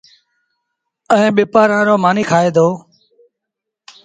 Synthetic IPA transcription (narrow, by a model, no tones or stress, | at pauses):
əẽːɓɪːpaːɾãːɾoːmaːniːkʰaːeːd̪oː